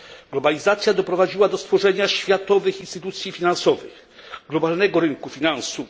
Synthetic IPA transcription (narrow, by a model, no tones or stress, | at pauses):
ɡ̥lɔbalʲizat̪sʲjad̪ɔpɾɔvad͡ʑiwad̪ɔst̪fɔʐɛɲaɕfʲjat̪ɔvɘxinst̪ɘt̪ut̪sʲjifʲinansɔvɘ̰x | ɡlɔbalnɛɡɔɾɘnkufʲinansu